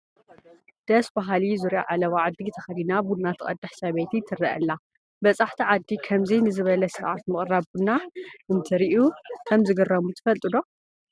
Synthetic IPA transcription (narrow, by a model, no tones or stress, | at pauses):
d̪̥ɐsbaɦalizuɾja̰ʕalɐwaʕad̪ːit̪ʰɐxɐd̪inabunnːat̪ʰɨχʼɐ̰d̪ːɐħsɐβet̪ʰit̪ʰːɨrːɐʔɐ̰lːa | bɐt͡sʼaħt̪ʰiʕad̪ːikʰɐmzɐjnɨzɨβɐlɐsɨɾʕat̪mɨχʼraβbunːaʔɨnt̪ʰɨɾiʔukʰɐmzɨɡɐrːɐmut̪ʰɨ̥fɐlt̪ʼɨd̪o̞